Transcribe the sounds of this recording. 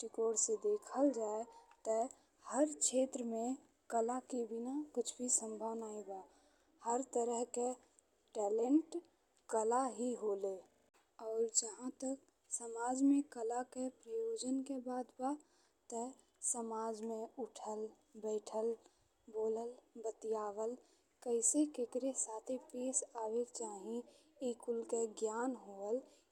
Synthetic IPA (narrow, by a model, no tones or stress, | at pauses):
ʈikoːɽsed̪eːkʰəld͡ʒaːet̪ə | həɾkʰeːt̪ɾəmẽ | kəlakebinakʊt͡ʃʰbʱisə̃mbʱəʋnaːiba | həɾt̪əɾəɦke | ʈɛːleɳʈ | kəlaɦiɦoːle | ɔːɾd͡ʒəɦãt̪ək̚ | səmaːd͡ʒmẽkəlakepɾəjoːd͡ʒənkebaːd̪ba | t̪ə | səmaːd͡ʒmẽʊʈʰəl | bəɪʈʰəl | boːləlbət̪ijaːʋəl | kəɪsekekɾesaːt̪ʰipeːsaːʋet͡ʃaːɦĩ | ikʊlkeɡjaːnɦoːəl